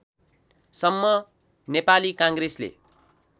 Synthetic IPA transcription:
sʌmːʌ | nepalikãŋɡreslḛ

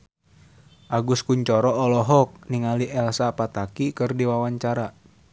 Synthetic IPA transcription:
ʔaɡuskuɲt͡ʃɔɾɔɔlɔɦɔk̚niŋaliʔɛlsapat̪akikɨrdiwawaɲt͡ʃaɾa

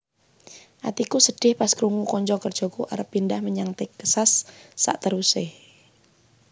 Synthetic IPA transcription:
ʔa̰t̪ikusəɖ̥ɪhpaskɾuŋukɔɲt͡ʃɔkərd̥ʒ̥ɔ̤kuʔa̰ɾəpːindahməɲaŋt̪ɪkəsasːa̰ʔt̪əɾusɪh

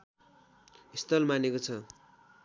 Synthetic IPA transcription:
ist̪ʌlmanekot͡sʰʌ

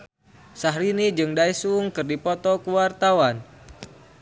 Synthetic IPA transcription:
saɦɾinid͡ʒɨŋdaisuʊŋkɨrdipɔt̪ɔkuwart̪awan

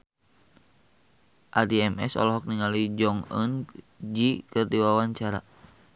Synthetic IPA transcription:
ʔadiɛmɛ̰sɔ̰lɔɦɔk̚niŋalid͡ʒɔŋə̰n | d͡ʒikɨrdiwawaɲt͡ʃaɾa̰

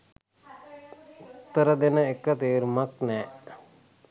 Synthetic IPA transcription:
ut̪ːəɾəd̪enəekːət̪eːɾmɐknɛː

